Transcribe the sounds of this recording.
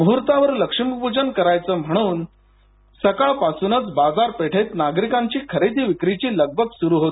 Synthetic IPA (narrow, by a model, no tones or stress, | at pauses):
mɦuɾt̪aʋəɾləkʂimpud͡ʑənkəɾajt͡səːm̤əɽ̃uːn | səkaɭpasuːnət͡sbad͡zaɾpeʈʰet̪naɡɾikaɲt͡ɕiːkʰəɾed̪iːʋikɾit͡ɕiːləɡ̚bʱəɡsuɾuːɦot̪